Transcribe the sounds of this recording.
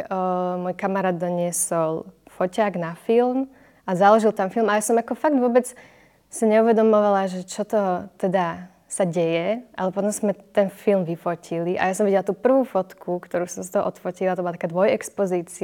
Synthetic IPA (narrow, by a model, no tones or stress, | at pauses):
mɔjkamaɾaːd̪ːɔɲɪɛsɔlˠfɔcaːɡnafilm | ʔazalɔʒilˠt̪amfilˠmajasɔmakɔfaɡd̪ʋʊɔbɛt͡s | siɲɛuʋɛd̪ɔmɔʋalaʒɛt͡ʃɔt̪ɔt̪ɛd̪a | saɟɛjɛʔa̰lɛpɔt̪ɔmzmɛt̪ɛnfilmʋifɔcʰiliʔajasɔmʋiɟɛlat̪uːpr̩ʋuːfɔt̪kʰukt̪ɔɾuːsɔmsat̪ɔɦɔʔɔt̪fɔcilat̪ɔbɔlat̪akaːd̪ʋɔjɛkspɔziːt͡si